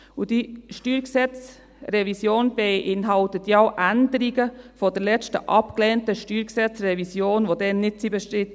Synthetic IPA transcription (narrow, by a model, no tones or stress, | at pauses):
udiʃtyːɾksɛt͡s | rɛvisjoːnbeʔɪnɦɑltətjʊʔændəɾiɡəfɔdəɾlɛt͡stə̰ʔɑpklɛːntəʃtyːɾksɛt͡srɛvisjoːnʋodɛnːɪt̚t͡sibəʃtɪt